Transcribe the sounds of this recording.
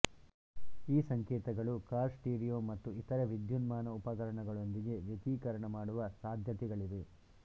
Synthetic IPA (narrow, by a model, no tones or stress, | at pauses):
iːsɐŋkɛːt̪ɐɡɐɭukaːɾsʈiːɾijoːmɐt̪ːuit̪ɐɾɐʋid̪junmaːnɐupɐkɐɾɐɳɐɡɐɭo̞nd̪iɡe̞ʋjɐt̪iːkɐɾɐɳɐmaːɽuʋɐsaːd̪ʱjɐt̪ɛɡɐɭid̪e